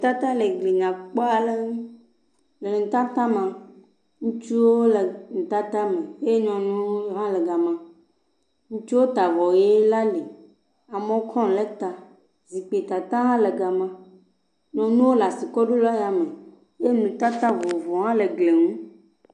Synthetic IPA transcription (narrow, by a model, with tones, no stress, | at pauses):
t̪a˦t̪ã˦le˨ɡli˨ɲã˨k͡pɔ˦a˨le˦ŋũ˦ | le˨ŋ̩˨t̪a˦t̪a˦mã˨ | ŋũ˦t͡ʃu˦woo˦le˨ŋ̩˨t̪a˦t̪ã˦mẽ˨e˦e˦ɲɔ̃˨nũ˦o˦ɦã˦le˨ɡa˨mã˦ | ŋũ˦t͡ʃu˦wo˦t̪a˨vɔ˨je˦la˦li˨ | a˨mẽ˨˦o˦kʰɔ̃˦˨le˦t̪a˨ | zi˨k͡pe˨t̪a˨t̪ã˦ɦã˦le˨ɡa˨mã˦ | ɲɔ̃˨nũ˦wo˦la˨si˨kɔ˦ɖo˦lɔ˦ja˨me˨ | je˦nũ˨t̪a˦t̪ã˦vɔ˨vɔ˨ɦã˦le˨ɡle˨ŋũ˦